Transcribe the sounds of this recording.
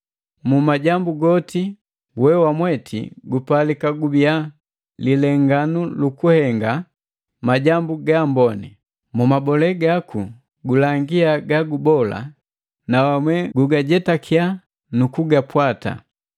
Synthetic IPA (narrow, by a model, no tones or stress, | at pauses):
mumaɟambuɡɔti | wɛwamwɛtʰḭɡupalikaɡubia | lilɛŋɡanulukuhɛŋɡa | maɟambuɡambɔnḭ | mumabɔlɛɡaku | ɡulaŋɡiaɡaɡubɔla̰ | nawamwɛɡuɡaɟɛtakʰia | nukuɡapwata̰